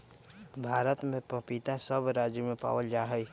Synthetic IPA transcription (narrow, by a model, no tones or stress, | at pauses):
bʱaːɾət̪mẽppit̪asəbɾad͡ʒjəmepa̰wəld͡ʒaɦəj